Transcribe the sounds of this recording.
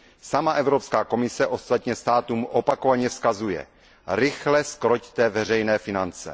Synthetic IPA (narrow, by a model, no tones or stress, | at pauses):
samaʔɛvɾopskaːko̞mɪsɛʔo̞st̪at̪ɲɛst̪aːt̪uːmʔopakovaɲɛfskazujɛ̰ | ɾɪxlɛskɾoct̪ɛvɛr̝ɛjnɛːfɪnant͡sɛ̰